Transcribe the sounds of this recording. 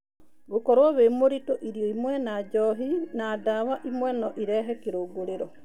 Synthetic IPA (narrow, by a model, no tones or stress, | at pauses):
ɡokɔɾwaβemoɾitoʔiɾijoimwɛnad͡ʒɔɦinadaβaʔimwɛnɔʔiɾɛɦɛkiɾoɡoɾeɾɔ